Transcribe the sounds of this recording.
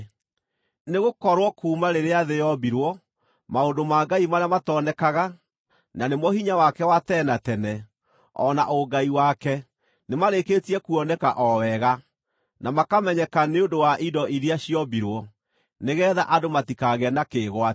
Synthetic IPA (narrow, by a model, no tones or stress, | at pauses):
neɣokɔɾwɔkuːmaɾeɾeaðejɔbiɾwɔ | maondomaɡaimaɾeamatɔnɛkaɣa | nanemɔhiɲawakɛwatɛnatɛnɛ | ɔnaʔoɡaiwakɛ | nemaɾeketiɛkuɔnɛkaʔɔwɛɣa | namakamɛɲɛkaneondowaʔidɔʔiɾiaɕijɔbiɾwɔ | neɣɛːðaʔadomatikaɣɛnakeːɣwa